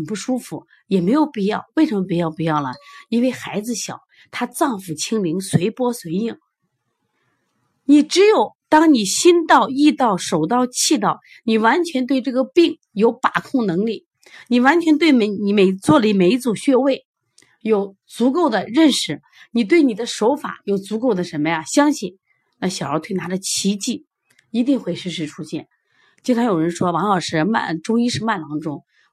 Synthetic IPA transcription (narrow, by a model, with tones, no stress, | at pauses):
pu˥˩ʂu˥fu˧˩ | jɛ˨˩me˧˥ɪjo˨˩ʊpi˥˧jɑ˥˧ʊwe˥˩ɪʂə˧˥mə˧pi˥jɑ˥˩ʊpi˥˧jɑ˥˩ʊlə̰˩i˥nwe˥˩ɪxa˧˥ɪd͡zɹ̩˧ɕjɑ̰˨˩ʊ | t̪ʰa˥t͡sɑ˥˩ŋfu˨˩t͡ɕʰi˥ŋli˧˥ŋswe˧˥ɪpwɔ˥swe˧˥ɪi˥˩ŋ | ni˨˩ʈ͡ʂɻ̩˧˥jo˨˩ʊt̪ɑ˥ŋni˨˩ɕi˥nt̪ɑ˥˧ʊi˥˧t̪ɑ˥˩ʊʂo˨˩ʊt̪ɑ˥˧ʊt͡ɕʰi˥˧t̪ɑ˥˩ʊ | ni˨˩wa˧˥nt͡ɕʰɥɛ˧˥nt̪̬we˥˧ɪʈ͡ʂɤ˥˩ɡə˩pi˥˩ŋ | jo˧˥ʊpa˨˩kʰʊ˥˩ŋnɤ˧˥ŋli˥˩ | ni˨˩wa˧˥nt͡ɕʰɥɛ˧˥nt̪̬we˥˩ɪme˧˥ɪni˧˩me˨˩ɪt͡swɔ˥˩li˧˥me˧˥ɪt͡su˨˩ɕɥɛ˥˧we˥˩ɪ | jo˨˩ʊ | t͡su˧˥ko˥˩ʊd̪ə˩ɻə˥˩nʂɻ̩˨˩ | ni˨˩t̪we˥˩ɪni˨˩d̪ə˦ʂo˧˥ʊfa̰˨˩˦jo˨˩ʊt͡su˧˥ko˥˩ʊd̪ə˩ʂə˧˥nmə˧ja˥˧ɕjɑ˥ŋɕi˥˩n | na˥˩ɕjə˞˧˥t̪ʰwe˥˩ɪna˧˥ʈ͡ʂə˧˩t͡ɕʰi˧˥t͡ɕi˥˩ | i˧˥t̪i˥˧ŋxwe˥˧ɪʂɻ̩˥˧ʂɻ̩˥˧ʈ͡ʂʰu˥ɕjɛ̰˥˩n | t͡ɕi˥nʈ͡ʂʰɑ˥ŋjo˨˩ʊɻə˧˥nʂwɔ˥wɑ˧˥ŋlɑ˨˩ʊʂɻ̩˥˩ma̰˥˩nʈ͡ʂʊ˥ŋi˥ʂɻ̩˥˧ma˥˩nlɑ˧˥ŋʈ͡ʂʊ˥ŋ